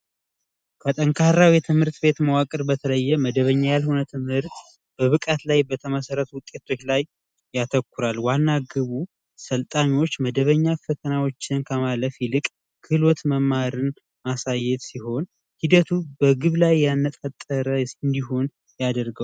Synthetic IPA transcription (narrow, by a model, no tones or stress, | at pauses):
kʰət̪ʼəŋkʰaɾawjɛt̪ʰɨmhɨɾt̪ʼbe̞t̪məwakʼɨɾbət̪ʰələjːɛməd̪əβəɲːajalhunət̪ʰɨmhɨɾt̪ | b̥əβɨkʼat̪lajbət̪ʰəməsəɾət̪wʊkʼːet̪ʰo̞t͡ʃːlajː | at̪ʰəkːuɾalwanːaɡɨβu | səlt̪ʼaniwo̞t͡ʃːməd̪əβəɲːafət̪ʰənawo̞t͡ʃːɪnkʰəmaləfjɪlɨkʼ | kʰɨlwot̪məmːaɾɨn | masajːɛt̪siho̞n | hid̪ət̪ʰubəɡɨβlajːanːət̪ʼat̪ʼːəɾəɨnd̪iɦo̞n | jad̪əɾɡəw